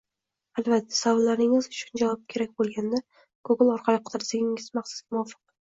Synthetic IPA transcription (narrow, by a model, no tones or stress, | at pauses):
albat̪ʰːḁsavɒllːaɾnɪŋɪzʊt͡ʃʰʊnd͡ʒavɒp̚kʲʰe̞ɾak̚ʲbolˠɡʲand̪a | ɡ̥ʰoɡɪlɒɾqʰɑlɪqʰɨd̪ɪɾsɪɡʲɪŋɪzmaχsʊ̥sɡʲamʊwɒfɨ̥q